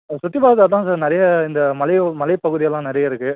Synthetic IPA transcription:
sʊʈ̪ːɪpaːɐðɐɾt̪ãːsaɾnɪɾɐjɐɪnd̪ɐmɐlɐɪmɐlɐɪpɐɣɯðɪjɐlːãːnɪɾɐjɐɪɾɯkːɯ

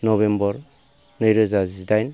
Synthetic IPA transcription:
nɔbembɔɾ | nɯjɾɯzazidajn

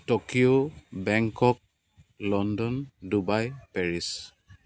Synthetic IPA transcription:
tokijobɛŋkɔk̚ | lɔndɔndubajpɛɹis

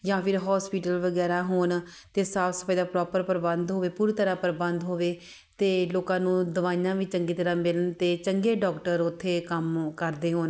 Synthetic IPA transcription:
jãːpʰɪɾɦɔːspiːʈəlʋəɡɛːɾaːɦoːn | t̪eːsaːpsə̥pʰaːiːd̪aːpɾɔːpəɾpəɾbənd̪ɦoːʋeːpuːɾiːt̪əɾaːpəɾbənd̪ɦoːʋeː | t̪eːloːkãːnũːd̪əʋaːijãːʋiːt͡ʃəŋɡiːt̪əɾãːmɪlənt̪eːt͡ʃəŋɡeːɖɔːkʈəɾʊt̪ʰːeːkəmkəɾd̪eːɦoːn

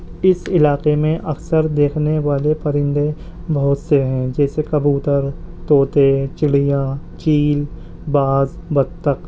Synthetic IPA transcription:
ɪsɪlaːqemẽʔɐksəɾd̪eːkʰneʋaːlepɐɾɪ̃nd̪ẽ | bɐɦʊt̪seɦɛ̃d͡ʒɛːsekɐbuːt̪əɾt̪oːt̪et͡ʃɪɽijãt͡ʃiːl | baːzbɐd̪t̪ːək

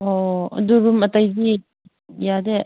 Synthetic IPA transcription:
ɔduɾumɐtajɡi | jade

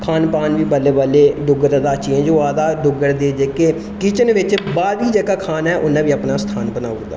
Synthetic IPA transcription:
kʰaːnpaːnʋiːbəleːbaːleːɖʊɡəɾd̪aːt͡ʃeɛ̃d͡ʒoːaːd̪aːɖʊɡəɽd̪eːd͡ʒeːkeː | kiːt͡ʃənʋɪt͡ʃbaːd̪iːd͡ʒəːkaːkʰaːnɛːʔʊnãːʋiːəpnaːst̪ʰaːnbənaːʊɾd̪a̰ː

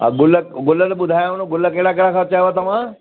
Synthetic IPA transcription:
a̰ɡʊləɡʊlət̪əɓʊd̪ʱajonõɡʊləkeɽakeɽakʰat͡ʃajʋat̪ɐʋ̤ãː

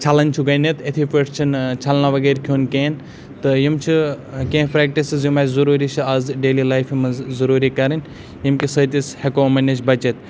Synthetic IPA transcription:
t͡ʃʰɐlɐnʲt͡ʃʰuɡɐnet̪et̪ʰipiʈʰt͡ʃʰint͡ʃʰɐlnaʋɐɡeːɾkʲʰoːnkeːn | t̪ɨjimt͡ʃʰikẽːpɾeːk̚ʈisizjumɐzuɾuːɾit͡ʃʰiazɖeːlilajfimɐzzɐɾuːɾikɐɾinʲ | jimkʲisəːt̪ishekoːmɐnʲːet͡ʃʰbɐt͡ʃet̪̚

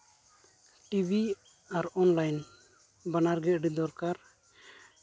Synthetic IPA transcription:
ʈibi | aɾɔnlajn | banaɾɡɛʔ̚ɖid̪ɔɾkaɾ

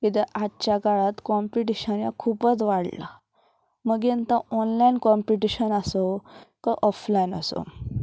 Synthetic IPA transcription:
kit̪ɛʔat̪ːt͡ɕjaɡaɭat̪kɔmpiʈ̬iɕənja̰kʰupət͡sʋaɽla̰ | məɡent̪aɔnlainkɔmpiʈiɕənasokəʔɔflajina̰so̰

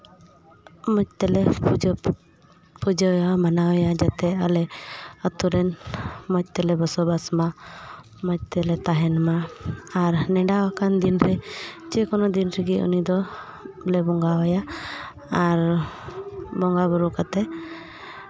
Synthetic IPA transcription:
mɔc̚t̪ɛlɛd͡ʒ | pud͡ʒɛjamanaɦɔjad͡ʒat̪ɛəlɛət̪uɾɛnmɔc̚t̪ɛlɛbəsɔbasma | mɔc̚t̪ɛlɛt̪aɦɛnmaː | ɾnɛɖawakand̪inɾɛt͡ʃɛkɔnɔd̪inɾɛɡiṵnid̪ɔ | lɛbɔŋɡawɔjaː | ɾ | bɔŋɡabɔɾukat̪ɛ

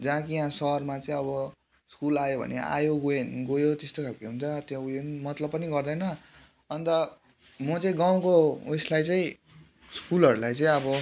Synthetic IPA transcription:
d͡zãkijãsʌrmat͡sʌĩʌbʌ | skulajobʱʌ̰nḛa̰joɡoenɡojot̪est̪okʰalkeɦunt͡sʰʌt̪jãujenmʌt̪lʌbpːʌniɡʌrd̪ʌjnʌ | ʌnt̪ʌ | mʌt͡sʌĩɡaw̃kouslajt͡saĩ | skulʌɾulajt͡sʌ̃ĩʌbʌ

